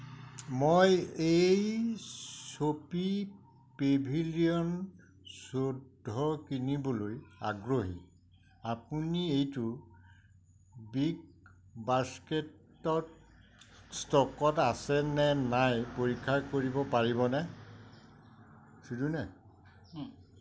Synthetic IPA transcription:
mojej | sopi | pebʱiliɔn | sodʱɔkinibɔlojaɡɹoɦi | apuniejtʊ | bik | basketː | ɔt | stɔkɔtasɛnɛnajpoɹikʰːakoɹibɔpaɹibɔnɛ | sudunɛ

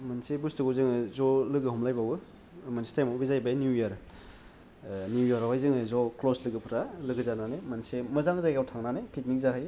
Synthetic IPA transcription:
mansebustɯɡozɯŋɯzɔlɯɡɯhɔmlajbawɯ | mansi̥tajmawbizajbajnjujaɾ | njujaɾawajzɯŋɯzɔkloslɯɡɯpʰɯɾalɯɡɯzananemɐnsemɐzaŋzajɡawtʰaŋnanekʰit̚nik̚zaɦaj

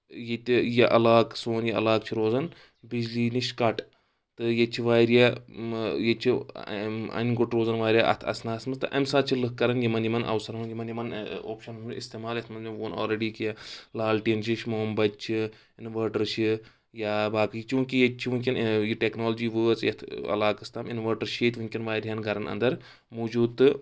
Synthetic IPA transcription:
jet̪ʲijeʔɐlaːksoːnjiɐ̰laːk̚t͡ʃʰiɾoːzɐn | bid͡ʒliːniʃkɐʈ | t̪ɨjet͡ʃʰiʋaːɾja | jet͡ʃʰi | ɐ̰nɡuʈɾoːzɐnʋaːɾʲjaʔɐ̰t̪ʰɐ̰snaːsmɐst̪ɨʔɐmsaːt͡ʃʰilɨkːɐɾɐnjimɐnjimɐnɐ̰wsɐɾɦunjimɐnjimɐno̰ːpʃɐnuuist̪eːmaːlɐt̪ʰmɐnʲʋoːno̰ːlɾeɖiːkijalaːlʈiːnt͡ʃiʃmoːmbɐt͡ʃʰi | inʋəːɾʈɐɾt͡ʃʰi | jaːbaːkɨit͡ʃũːkijet͡ʃʰiʋunkʲɐnjiʈeknoːld͡ʒiːʋəːt͡sjɐt̪ʰɐ̰laːkɨst̪aːminʋəːʈɐɾʃeːt̪ʰʲʋunʲkʲɐnʋaːjɾʲjanɡʱɐɾɐnɐ̰nd̪ɐɾ | muːd͡ʒuːd̪t̪ɨ

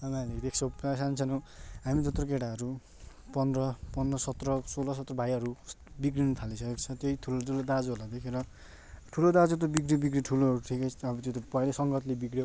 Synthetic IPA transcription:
amaned̪ekʰt͡sʰʌasant͡sʰʌnõɦamit̪ot̪rʌkeɽaɦʌɾu | pʌnd̪rʌpʌnd̪rʌsʌt̪rʌsolʌs̬ʌt̪rʌbʱajʌɾu | bikrinʌt̪ʰalisʰʌkekt͡sʰʌ̃t̪jeiʈʰulotulod̪ad͡zoɦolad̪ekʰeɾʌ | ʈʰulod̪ad͡zot̪obikɾibikɾiʈʰuloɾuʈʰikeʌbʌt̪jot̪opʌjlʌsʌŋɡʌt̪lebikɾijo

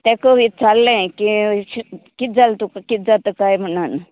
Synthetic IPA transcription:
t̪ɛ̃kəʋit̪̚t͡salːẽki | kit̪̚d͡zalt̪ukakit̪̚d͡zat̪əkajm̤ənan

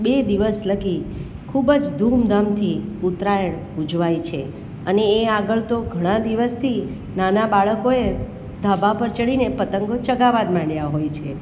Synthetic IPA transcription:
bed̪iʋəsləɡi | kʰubəd͡ʒd̪ʱumd̪ʱamt̪ʰiut̪ɾajəɭ | ud͡ʒʋajt͡ʃʰe | əneːaɡəɭt̪oɡʱəɽ̃ãd̪iʋəst̪ʰi | nanabaɭəkoe | d̪ʱabʱapəɾt͡ʃəɭinepət̪əŋɡot͡ʃəɡaʋad̪mãɳjaɦojt͡ʃʰe

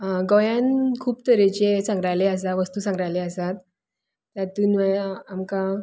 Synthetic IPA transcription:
ɡɔjãnkʰuːpt̪əɾet͡ɕesãŋɡɾajleəs̬aʋəst̪uːsãŋɡɾajleəsat̪̚ː | at̪uːnʋɛamka

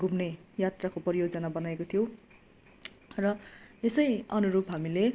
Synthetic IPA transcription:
ɡumnejat̪rakopʌɾijod͡zʌnabʌnajekot̪ʰijow | rʌesʌjʌnuɾupɦamile

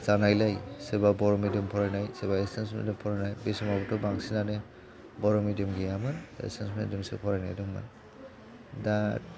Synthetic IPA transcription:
zanajlajsebabɔɾɔmidimpʰɔɾajnajsebaesensmḛndimpʰɔɾajnajbisɔmabɔtɔbaŋsinane | bɔɾɔmidimɡijamɯnḛsensmedimsḛpʰɔɾajna̰jdɔŋmɯ̰n | dat̚

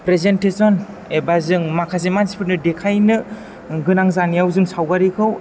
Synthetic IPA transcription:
pɾezentesɔn | ebazɯŋmakʰas̬emansi̥pʰɯɾnɯdekʰajnɯ | ɡɯnaŋzanijawzɯŋsawɡaɾikʰɯw

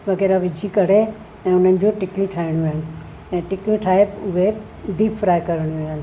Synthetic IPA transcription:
ʋɐɣeːɾaʋɪd͡ʑʱikɐɽ̤e | ɛ̃ːʊn̤ənɪ̆d͡ʑũʈɪkjũʈʰaːɪɽ̃jũaːɦɪnɪ̆ | ɛ̃ːʈɪkjũʈʰaːeʊɦe | d̪iːbfɾaːjkɐɾəɽ̃ũɦɪnɪ̆

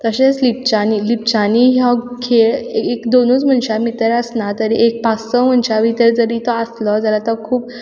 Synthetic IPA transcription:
t̪əɕet͡slip̚t͡ɕanilipt͡ɕaniɦjãkʰeɭeekd̪onut͡sm̤əɳɕamit̪əɾəsnat̪əɾiʔek̚past͡səm̤əɳɕaʋit̪əɾd͡zəɾit̪ɔəslɔd͡zalat̪əkʰuːp

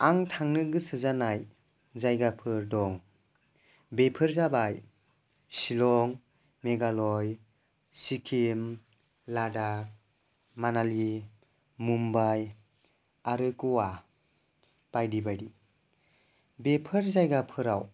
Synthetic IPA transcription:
aŋtʰaŋnɯɡɯsɯzanaj | zajɡapʰɯɾdɔŋ | bepʰɯɾzabaj | silɔŋ | meɡalɔj | sikʰim | lada | manali | mumbaj | aɾɯkɔwa | b̥ajdibaɾi | bepʰɯɾzajɡapʰɯɾaw

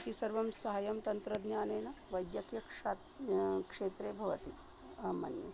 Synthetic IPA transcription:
kisɐɾʋɐmsɐɦɐjɐmt̪ɐnt̪ɾɐd̪njaːneːnɐʋɐjd̪jɐkjɐkʂaːt̪ | kʂeːt̪ɾeːbʱɐʋɐt̪i | ɐmːɐ̰njɐ̰

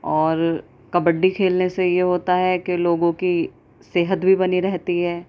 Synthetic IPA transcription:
ɔːɾ | kɐbəɖːikʰeːlnesejeɦoːt̪aɦɛkeloːɡõki | seːɦət̪bʱibɐniɾɛɦt̪iɦɛː

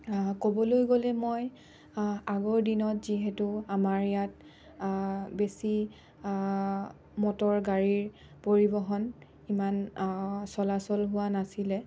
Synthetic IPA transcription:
kobɔlojɡolɛmoj | aɡɔɹdinɔtziɦɛtʊamaɹjat | besi | mɔtɔɹɡaɹiɹ | poɹibɔɦɔn | iman | sɔlasɔlɦʊwanasilɛ

